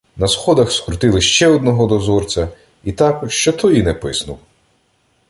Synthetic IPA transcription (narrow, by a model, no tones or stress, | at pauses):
nɐsxɔd̪ɐxskɾʊt̪ɪlˠɪʃt͡ʃɛɔd̪nɔɦɔd̪ɔzɔrt͡sʲɐ | it̪ɑkʃt͡ʃɔt̪ʰɔjinɛpɪsnʊw